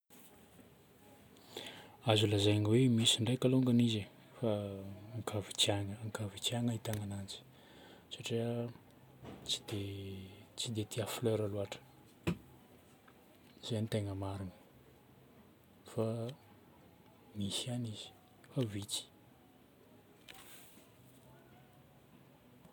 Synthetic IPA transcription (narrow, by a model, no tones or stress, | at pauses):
azulazajaŋiwemisiɳɖ͡ʐajkaloŋɡanize | faŋkʰavi̥t͡saŋəːŋkavit͡siaŋəit̪aŋanant͡si̥ | saʈ͡ʂiə | t͡si̥d̪̥e | t͡sid̪et̪ʰiafløɾaluaʈ͡ʂə̥ | z̥anit̪eŋəmaɾunə̥ | fa | misaniz̥i̥ | favit͡si̥